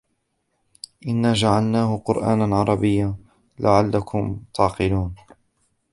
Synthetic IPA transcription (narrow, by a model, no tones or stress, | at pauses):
ʔɪnːaːd͡ʒaʕalnaːhʊqʊɾʔa̰ːnanʕɑɾˤɑbɪjːaː | lʔaʕalːakʰʊmt̪ʰɑʕqɨluːn